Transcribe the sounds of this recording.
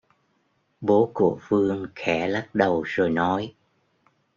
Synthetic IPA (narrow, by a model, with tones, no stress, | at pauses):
ɓo˨˦ku˧˩əfɨ˧əŋxɛ˧˩la˦˥k̚ɗə˨˩wzo˨˩jnɔ˨˦j